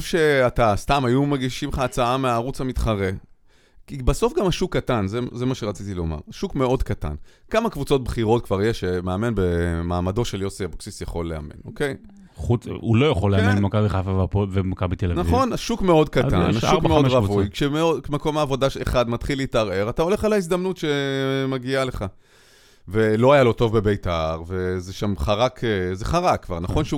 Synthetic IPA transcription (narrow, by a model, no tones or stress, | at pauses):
fʃe̞atast̪amajumeɡiʃimχaːt͡saameaːʁut͡shamit̪χaʁe | kibaso̞fɡamaʃukːatanzezemaʃeʁat͡sit̪ilo̞̰ma̰ʁaʃukme̞o̞d̪kata̰n | kamakvut͡so̞t̪̚bχiʁo̞tkvaʁje̞ʃemeame̞nbemaːmado̞ʃe̞ljo̞siaboksisjaχo̞lːea̰me̞̰no̞̰ke̞j | χuulojaχoleamenbmakabiafavaovemakabit̪elanavχio̞naʃukme̞o̞d̚katta̰naʃukmeodʁavvujkʃemeodkmako̞maːvo̞daḛχad̪matχilitaʁe̞ʁatao̞le̞χalais̬damnutʃe̞maɡiale̞χa | velo̞ajalo̞to̞vbe̞bejtaʁve̞zeʃamχaʁakʰeze̞χaʁakːvaʁnaχo̞nʃeu